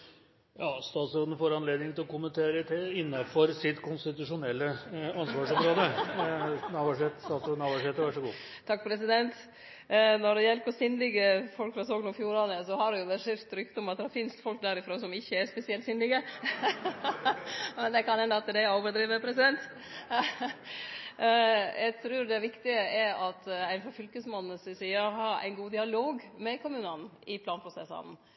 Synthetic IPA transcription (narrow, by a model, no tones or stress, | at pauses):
jɑːst̪ɑːt̪sɾoːd̪ən̩foːɾɑnleːd̪nɪŋt̪ɪlɔkʊmənt̪ʰeːɾət̪ʰɪɪnːɑfɔɾsɪt̪kʰʊnst̪ɪt̪ʉʂʊnɛlːəɑnsʋɑːʂɔmɾoːd̪ə | nɑʋæʂet̪st̪ɑːt̪sɾoːd̪nɑʋæʂheːt̪əɾʋæʂɔɡṵː | t̪ʰɑk̚pʰɾɛsɪd̪ɛnt̪ | nɔɖɛjɛlpɔsʏnd̪ɪɡəfɔlkfɾɑsoːɡnɔfjuːɾɑnəsɔhɑɖɛjʊʋɛʂɪɾt̪ɾʏkt̪ɔmɑt̪̚ɛhɑɾfɪnst̪fɔlk̚d̪æɾɪfɾoːsɔmɪçːəæɾspɛsɪɛlt̪sʏnd̪ɪɡə | mɛnd̪ɛkɑnhɛnd̪ɑt̪ːəd̪ɛoːʋəd̪ɾiːʋəɾpʰɾɛsɪd̪ɛnt̪ | jæɡt̪ʰɾʉːɾd̪ɛʋɪkt̪ɪəʔɛɾɑt̪æɪnfɾɑfʏlkəsmɑnːnəsɪsiːəɾhɑɾæ̰ɪnɡuːd̪ɪɑloːɡmɛkʰʊmʉːnɑnɪpʰlɑːnpʰɾʊsɛsɑ̰n̩